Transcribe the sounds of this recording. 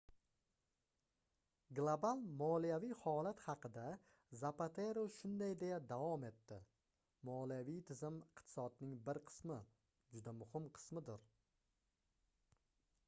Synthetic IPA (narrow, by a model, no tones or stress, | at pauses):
ɡlˠobalˠmɒlijavijhɒlat̪hɑqʰɨd̪a | zapat̪ʰeɾoʃʊnd̪ajd̪e̞jad̪avɒme̞t̪ːɪ | mɒlijavijt̪ʰɪzɪmɪqt̪ʰɪ̥sɒd̪nɪŋbɪɾqʰɨ̥smɪ | d͡ʒʊd̪amʊhɪmqʰɨ̥smɪd̪ɪɾ